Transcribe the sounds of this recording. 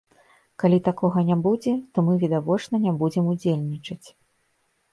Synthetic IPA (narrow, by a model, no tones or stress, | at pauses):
kalʲit̪akɔɣɐnʲabud͡zʲɛt̪ɔmɨvʲid̪avɔt͡ʂnɐnʲabud͡zʲɛmud͡zʲelʲnʲit͡ʂɐt͡sʲ